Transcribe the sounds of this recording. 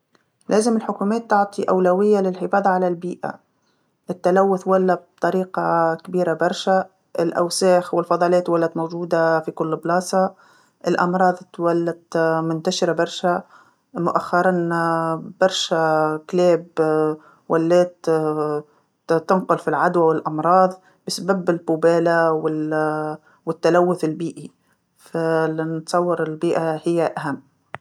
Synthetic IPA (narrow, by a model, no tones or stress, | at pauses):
lʔeːzɪmɪlħʊkuːmeːt̪ːʊʕt̪ˤiʔawlawɪjːalɪlħɪfɑːðˤɑʕalalbiːʔa̰ | ʔɪt̪ːalawːʊθwalːab̚t̪ˤɑɾiːqɑkɪbiːɾabɑɾˤʃa | ʔɪlʔa̰wsaːxwɪlfɑðˤɑːleːt̪walːat̪mowd͡ʒuːd̪afikʊlːblɑːsˤɑ | ʔɪlʔɑ̰mɾˤɑːðˤt̪walːat̪mʊnt̪aʃɪɾabɑɾˤʃa | mʊʔaxːɑɾˤɑn | b̥ɑɾˤʃakleːb | walːeːt̪ | t̪ɪnqʊlfilʕad̪wawɪlʔɑmɾˤɑːðˤ | bɪsababɪlbuːbeːlawɪ | wɪt̪ːalawːʊθɪlbiːʔi | falɪnt̪sˤɑwːɑɾˤɪlbiːʔahɪjːaʔaɦamː